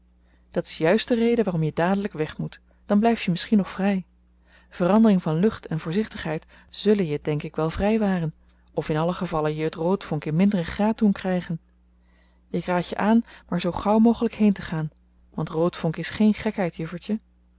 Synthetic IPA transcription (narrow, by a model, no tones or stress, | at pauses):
d̥ɑtɪ̥sjœɥstdərejdəʋaːrɔmjədaːdələkʋɛχmut | d̥ɑnblɛjftjəmɪsχinɔχfrɛj | v̥ərɑndərɪŋvɑnlɵχtʰɛnvʊːɹzɪχtəχɦɛjt | z̥ɵlənjəd̥ɛŋkɪkʋɛlˠvrɛjʋaːrən | ʔɔfɪnɑləχəvɑlənjəɦətrowtfɔŋkɪnmɪndərəχraːt̚dunkrɛjχən | ɪkraːjə̰ʔaːnmaːɹzowχɑwmowχələkɦejntəχaːn | ʋɑntrowtfɔŋkɪsχejnχɛkɦɛjtjəfəɹtə